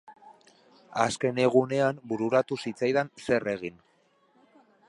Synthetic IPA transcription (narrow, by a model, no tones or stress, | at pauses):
aske̞ne̞ɣ̞une̞ambuɾuɾat̪usit͡sajðanse̞re̞ɣ̞in